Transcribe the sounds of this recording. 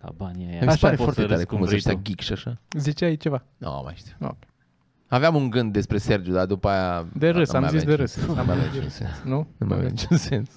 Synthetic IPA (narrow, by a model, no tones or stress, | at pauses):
a̰banamisepaɾeffoart̪et̪aɾekumziʃt̪aɡʲikʃiaʃazit͡ʃeait͡ʃevano̰a̰ma̰eʃt̪ḁo̰p | aveamuŋɡɨnd̪̚ːe̞spɾe̞se̞rd͡ʒud̪ad̪upajad̪eɾɨsamajazisad̪eɾɨsamava̰mnit͡ʃṵnsḛnsnunuma̰vʲa̰mnḭt͡ʃunse̞ns